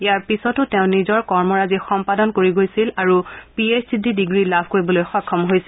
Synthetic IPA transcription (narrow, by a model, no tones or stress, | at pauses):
iaɹpisɔtʊtẽʊ̃nizɔɹkɔɹmɔɹazixɔmpadɔnkoɹiɡojsilaɹupiesdididiɡɹilabʱkoɹibɔlojxɔkʰːɔmɦojsi